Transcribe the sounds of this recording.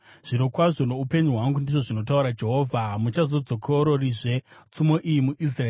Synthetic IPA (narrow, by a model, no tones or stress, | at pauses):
ʐ̥iɾokwaʐo̞no̞upe̞ɲuɦwaŋɡundiʐo̞ʐino̞t̬auɾad͡ʒe̞ɦo̞ːvʱamut͡ʃazo̞d͡zo̞kʰoɾo̞riʐe̞t͡sumo̞ʔijimuʔis̬raeː